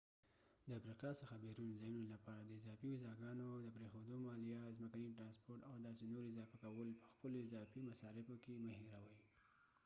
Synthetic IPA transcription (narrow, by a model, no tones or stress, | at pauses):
d̪əafɾiqɑsəxabeɾunzɑjunolapɑɾad̪əɪzɑfiwizɑɡɑnod̪əpɾexod̪omɑlijazməkaniʈɾɑnspoɾʈawd̪ɑsenoɾɪzɑfakawəlpəxpəloɪzɑfimasɑɾɪfokemahiɾawəj